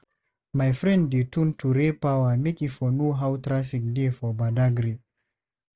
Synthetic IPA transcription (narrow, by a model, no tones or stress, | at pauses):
majfɹɛ̃nddetuntʰuɾepawamekifɔnoɦawtɾafik̚defɔbadaɡɾi